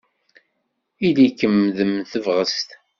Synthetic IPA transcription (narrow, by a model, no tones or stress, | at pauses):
ilikəmðəmθəvʁəst̪